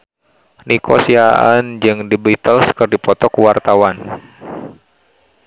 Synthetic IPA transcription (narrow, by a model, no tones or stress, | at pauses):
nikʰɔsiaʔand͡ʒɨŋdibit̪əlskərdipɔt̪ɔkuwart̪awan